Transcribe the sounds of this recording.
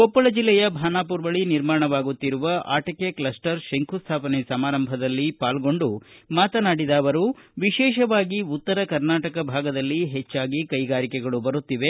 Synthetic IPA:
kɔpːɐɭɐd͡ʒilːɛjɐbʱaːnaːp̬uɾbɐɭiniɾmaːɳɐʋaːɡut̪ːiɾuʋɐʔa̰ːʈɐkeklɐsʈɐɾʃeŋkʰust̪ʰaːpɐnesɐmaːɾɐmbʱɐd̪ɐlːipaːlɡo̞ɳɖumaːt̪ɐnaːɽid̪aːʋɐɾuʋiʃɛːʃɐʋaːɡiut̪ːɐɾɐkɐɾnaːʈɐkɐbʱaːɡɐd̪ɐlːiɦet͡ʃːaːɡikɐjɡaːɾikɛɡɐɭubɐɾut̪ːiʋe̞

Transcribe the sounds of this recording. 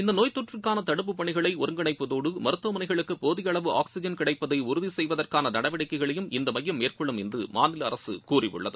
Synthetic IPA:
ɪnd̪ɐnoːjt̪ːɔʈrɯkːaːnɐt̪ɐɽɯp̬ːɯpːɐɳɪɣɐɭɐɪɔɾɯŋɡɐɳɐɪpːɯðoːɽɯmɐɾɯt̪ːʋɐmɐnɐɪɣɐɭɯkːɯpoːðɪjɐɭɐʋɯʔa̰ːksɪd͡ʒɐnkɪɽɐɪpːɐðɐɪʊɾʊðisɛjʋɐðɐrkaːnɐnɐɽɐʋɪɽɐkːɐɪɣɐɭɐjɯmɪnd̪ɐmɐjːɐmːeːrkɔɭːɯmɛndrɯmaːnɪlɐ̰ɾɐsɯ̰kuːrɪjɯ̰ɭːɐ̰ðɯ

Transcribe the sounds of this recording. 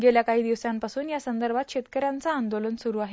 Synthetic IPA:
ɡeljakaɦiːd̪iʋsampasuːnjasənd̪əɾbʱat̪̚ɕet̪kəɾjant͡saːnd̪olənsuɾuːaɦe

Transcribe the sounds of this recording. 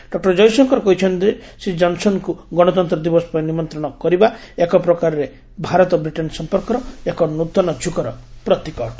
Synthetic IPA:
ɖ̥ɔk̚ʈɔɾd͡ʒɔjsɔŋkɔɾɔkɔɦit͡ʃʰɔnt̪isid͡ʒɔnsɔnkuɡɔɽ̃ɔt̪ɔnt̪ɾɔd̪ibɔsɔ̥pajnimɔnt̪ɾɔɽ̃ɔkɔɾiba | ekɔpɾɔkaɾɔɾe | bʱaɾɔt̪ɔbɾiʈensɔmpɔɾkɔɾɔekɔnut̪ːɔnɔd͡ʒʰʱukɔɾɔpɾɔt̪ikɔʈ

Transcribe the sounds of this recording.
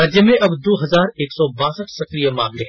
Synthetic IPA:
aːd͡ʒjəmẽʔɐbd̪oːɦɐzaːɾeːksɔbaːsəʈʰsɐkɾijəmãːŋle

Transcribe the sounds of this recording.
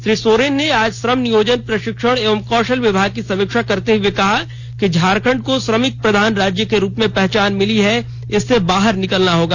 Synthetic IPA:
ʃɾiːsoːɾeːnːeaːd͡ʒsɾəmnijoːd͡ʒənpɾɐʃɪkʃəɽ̃eːʋəmkɔːʃəlʋɪbʱaːɡ̚kisɐ̃mɪkʃakɐɾt̪eɦuekɐɦa | kid͡ʒʱaːɾkʰə̃ɳɖ̚kosɾəmɪk̚pɾɐd̪ʱaːnɾaːd͡ʒjəkeɾuːpmẽpɛɦt͡ʃaːnmɪliɦɛ | ɪsːebaːɦəɾnɪkəlnaɦoːɡaː

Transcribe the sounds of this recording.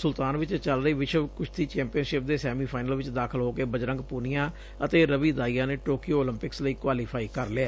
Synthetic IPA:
sʊlt̪aːnʋɪt͡ʃt͡ʃəlɾəiːʋɪʃəbkʊt͡ʃʰt̪iːt͡ʃɛ̃ːmpijənʃɪp̚d̪eːsɛːmiːpʰaːɪnəlʋɪt͡ʃd̪aːkʰəlɦoːkeːbəd͡ʒɾə̃ŋɡpuːnijãː | ət̪eːɾəʋiːd̪aːijaːneːʈoːkijoːoːlɪmpɪksləiːkwaːliːpʰaːiːkəɾleeː

